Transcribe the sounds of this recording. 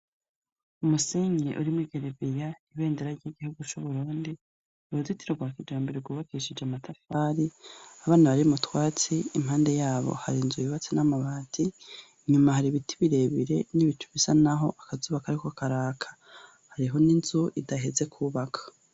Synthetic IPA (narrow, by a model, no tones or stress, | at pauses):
umuseɲḛʔuɾimwiɡeɾebijaniβe̞ːndeɾaɾɟiɡihuɡut͡ʃuβuɾuːndi | uɾuzitiɾoɡwaːkid͡ʒaːmbeɾeɡuːβakiʃid͡ʒamatafaːɾiaβaːnaβaɾimutwaːt͡siimhaːnde̞jaːβo̞̰haɾinzujiβat͡sinamaβaːtʰi | ɲumahaɾiβitiβiɾe̞βiɾe̞̰niβitu̥βisanaɦo̞ʔakazuːβakaɾikoakaɾaːkʰḁ | haɾiɦo̞ninzuʔidaɦe̞ze̞kʰuːβakʰḁ